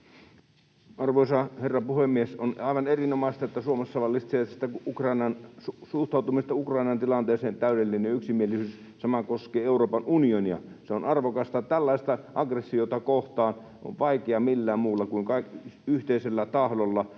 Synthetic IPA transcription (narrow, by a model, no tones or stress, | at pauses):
ɑrʋoˑisɑherːɑpuhemːiesonɑˑiʋɑnerinomɑˑist̪ɑet̪ːæsuomesːɑʋɑlːist̪seːt̪st̪æukrɑinɑnsusuht̪ɑˑut̪umist̪ɑukrɑˑinɑnt̪ilɑnt̪eːseːnt̪æˑyɾelːinenjɑyksimielisyːs | sɑmɑkoskeːeuroːpɑnunioniɑ̰seonɑrʋokɑst̪ɑt̪ælːɑˑist̪ɑʔɑɡresːiot̪ɑkoht̪ɑːn | ʔo̰ʋʋɑikeɑmilːæːmmuːlːɑkuiŋkɑikyht̪eiselːæt̪ɑhlolːɑ